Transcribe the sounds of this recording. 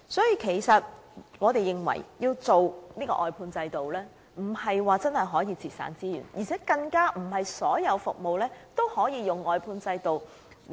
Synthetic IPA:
sɔː˨˥jiː˧kʰe˨˩jsɐ˨t̚ŋɔː˨˧t̪e˨jɪ˨ŋwɐ̰˨˩jjiː˧wt͡so˨wniː˥kɔ̰˧ʔɔː˨jpʰuː˧nt͡sɐ˧jt̪o˨wlɛː˥ | m̩˨˩hɐ˨jwaː˨t͡sɐ˥nhɐ˨jɦɔː˨˥jiː˧t͡sʰiː˨˩t̚sa̰ː˨˥nt͡siː˥jy̰˨˩njʔiː˨˩t͡sʰɛː˨˥kɐ˧ŋkaː˥m̩˨˩hɐ˨jsɔː˨˥jɐ˨˧wfʊ˨k̚mo˨wlɛː˥t̪o˥whɔː˨˥jiː˨˧jʊ˨ŋɔː˨jpʰuː˧nt͡sɐ˧jt̪o˨w

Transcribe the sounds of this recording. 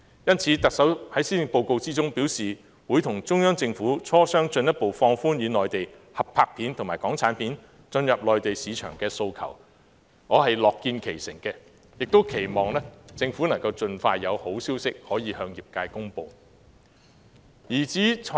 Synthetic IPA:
jɐ˥nt͡sʰiː˨˥t̪ɐ˨k̚sɐ˨˥whɐ˨˥jsiː˥nɪ˨po˧wko˧wt͡siː˥t͡sʊ˥ŋpi˨˥wsiː˨ | wu˨˥jt̪ʰʊ˨˩ŋt͡sʊ˥ŋjœː˥ŋt͡sɪ˧ŋfuː˨˥t͡sʰɔː˥sœː˥ŋt͡ʃɵ˧njɐ˥t̚po˨˧wfɔː˧ŋfuː˥njyː˨˧nɔː˨˩jt̪e˨j | hɐ˨p̚pʰaː˧k̚pʰiː˨˥nt̪ʰʊ˨˩maː˨˩jkɔː˨˥ŋt͡sʰaː˨˥npʰiː˨˥n | t͡ʃɵ˧njɐ˨p̚lɔː˨jt̪e˨jsiː˨˧t͡ʃʰœː˨˩ŋkɛː˧so˧wkʰɐ̰˨˩w | ŋɔː˨˧hɐ˨jlɔː˨kːiː˧nkʰe˨˩jsɪ̰˨˩ŋkɛː˧ | jɪ˨k̚t̪o˥wkʰe˨˩jmɔː˨ŋlɛː˥t͡sɪ˧ŋfuː˨˥nɐ˨˩ŋkɐ˧wt͡sɵ˧nfaː˧jːɐ˨˧who˨˥wsiː˥wsɪ˥k̚hɔː˨˥jiː˨˧hœː˧ŋjiː˨p̚kaː˧jkʊ˥ŋpo˧w | jiː˨˩t͡siː˨˥

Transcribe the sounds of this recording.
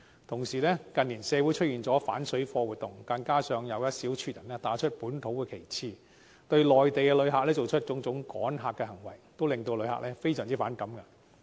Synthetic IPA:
t̪ʰʊ˨˩ŋsiː˨˩lɛː˥kɐ˨nliː˨˩nsɛː˨˧wu˨˥jt͡ʃʰɵ˥iː˨˩nt͡sɔː˨˥fa̰ː˨˥nsɵ˨˥ɥfɔː˧wuː˨˩t̪ʊ˨˩ŋkɐ˧nkaː˥sœː˨ŋjɐ˨˧wjɐ˥t̚siː˨˥wt͡ʃʰyː˧t̚jɐ˨˩nlɛː˥t̪aː˨˥t͡ʃʰɵ˥t̚puː˨˥nt̪ʰo˨˥wkɛː˧kʰe˨˩jt͡sʰiː˨˧ | t̪ɵ˧ɥlɔː˨jt̪e˨jkɛ˧lɵ˨˧˥ɥɦaː˨lɛː˥t͡so˨wt͡ʃʰɵ˥t̚t͡sʊ˨˥ŋt͡sʊ˨˥ŋkɔ̰ː˨˥nɦaː˨kːɛ˧hɐ˨˩ŋwɐ˨˩jt̪o˥wlɪ˨ŋt̪o˧wlɵ˨˧ɥhɦa̰˨˥lɛː˥fe˥jsœː˨˩ŋt͡siː˥faː˨˥nkɐ˨˥mkɐ˧

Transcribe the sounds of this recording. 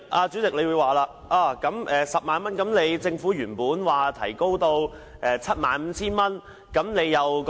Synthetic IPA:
ʔaː˧t͡syː˨˥t͡sɪ˨k̚le˨˧jwuː˨˧jwaː˨˩laː˧ | ʔaː˧˩kɐ˨˥mʔɛː˨sɐ˨p̚maː˨˧nmɐ˥nkɐ˨˥mne˨˧jt͡sɪ˧ŋfuː˨˥jyː˨˩npuː˨˥nwaː˨˩t̪ʰɐ̰˨˩jko˥wt̪o˧w | ʔɛː˨˧t͡sʰɐ˥t̚maː˨˧nm̩˨˧t͡sʰiː˥nmɐ˥n | kɐ˨˥mne˨˧jːɐ˨wk

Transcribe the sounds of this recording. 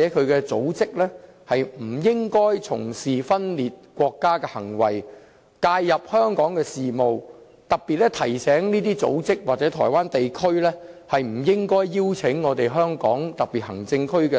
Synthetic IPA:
ɛː˨˥kʰɵ˨˧kɛː˧t͡so̰˨˥wt͡sɪ˥k̚lɛ˥ | hɐ˨jm̩˨˩jɪ˥ŋkɔː˥jt͡sʰʊ̰˨˩ŋsiː˨fɐ˥nliː˨t̚kʷɔː˧kːaː˥kɛː˧hɐ̰˨˩ŋwɐ̰˨˩j | kaː˧jːɐ˨p̚hœː˥ŋkɔː˨˥ŋkɛː˧siː˨mo˨w | t̪ɐ˨k̚piː˨t̚ɛ˥t̪ʰɐ˨˩jsɛː˨˥ŋniː˥t̪iː˥t͡so̰˨˥wt͡sɪ˥k̚waː˨t̚t͡sɛ˨˥t̪ʰɔ̰ː˨˩jwaː˥nt̪e˨jkʰɵ˥ɥlɛː˥hɐ˨jm̩˨˩jɪ˥ŋkɔː˥jːiː˥wt͡sʰɪ˨˥ŋːɔː˨˧t̪e˨jɦœː˥ŋkɔ̰ː˨˥ŋt̪ɐ˨k̚piː˨˩t̚hɐ˨˩ŋt͡sɪ˧ŋkʰɵ˥kɛː˧

